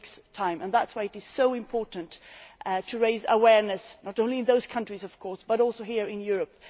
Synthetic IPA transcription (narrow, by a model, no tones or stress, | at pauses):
kstʰãɪ̃mə̃nðætswaɪɨɾɨz̥soʊɪ̃mpʰɔɹʔn̩ttʰɨɹeɪzə̰wɛɹnɨsnəɾõʊ̃nliɨ̃nðoʊz̥kʰʌ̃nt͡ʃɹ̥izʌv̥kʰɔɹsb̥ʌɾɔlˠsoʊhiɹɪ̃njʊɹəp̚